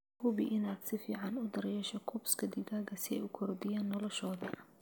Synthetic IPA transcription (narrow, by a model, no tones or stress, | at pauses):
hʊbɪ̰ʔɪnaːd̪sɪfiːʕɑnʊd̪ɐrjɛːʃɔkʰɔbskʰɐd̪ɪɣaːɡɐsɪɛ̰jʊkʰɔrd̪ɪjaːnːɔlɔʃɔːðɐ